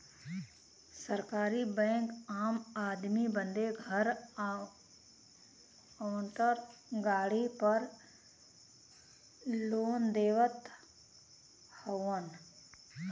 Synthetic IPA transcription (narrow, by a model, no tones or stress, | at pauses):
səɾkaːɾibɛ̃ːŋkaːmaːd̪mibə̃nd̪eɡʱəɾ | əʋə̃nt̪əɾɡaːɽipəɾ | loːnd̪eːʋət̪ | həən